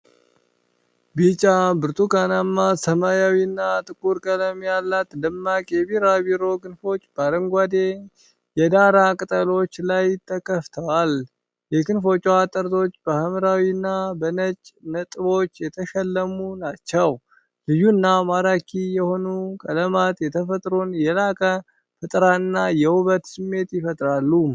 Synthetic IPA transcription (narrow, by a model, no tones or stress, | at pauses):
bit͡ʃʼabɨɾt̪ʰʼukanamːasəmajawinːat̪ʼɨkʼuɾkʼələmjalːat̪dɨmːakʼebiɾaβiɾo̞ɡɨnfo̞t͡ʃːbaɾəŋɡʷad̪e̞ | jɛd̪aɾakʼɨt̪ʼəlo̞t͡ʃːlajt̪ʰːəkʰəft̪ʰəwal | jɛɡɨnfo̞t͡ʃʼːwat̪ʼːəɾt̪ʰo̞t͡ʃːbəhəmɾawinːabənət͡ʃʼnət̪ʼɨβo̞t͡ʃːjɛt̪ʰəʃɛlːəmunat͡ʃːɛw | lɨjunːamaɾakʰijɛho̞nukʼələmat̪jɛt̪ʰəfət̪ʼɾonjɛlakʼə | fɨt̪ʼɾaɨnːajɛhuβət̪sɨmːe̞t̪jɪfət̪ʼɾalːu